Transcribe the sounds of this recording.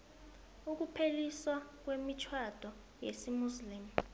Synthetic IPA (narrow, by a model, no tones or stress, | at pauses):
uk̬upʰeliswak̬wemit͡ʃʰwad̥ʱɔ | jḛsimusliːmu